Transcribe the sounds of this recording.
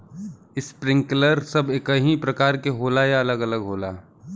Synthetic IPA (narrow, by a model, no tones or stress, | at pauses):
ɪspɾɪ̃ŋkləɾsɐbekɐɦĩpɾɐkaːɾkeɦoːlajaɐləɡɐləɡɦoːla̰ː